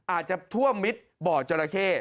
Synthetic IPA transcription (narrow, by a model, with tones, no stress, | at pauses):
ʔaː˨˩t̪̚t͡ɕa˨˩t̪ʰu˥˩əmːi˦˥t̪̚bɔː˨˩t̚t͡ɕo˧ɾa˧kʰeː˥˩